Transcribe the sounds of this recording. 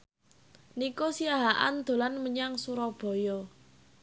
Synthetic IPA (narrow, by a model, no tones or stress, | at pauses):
nikosiaɦaʔa̰nd̪̥o̤lanməɲaŋsuɾɔb̥ɔ̤jɔ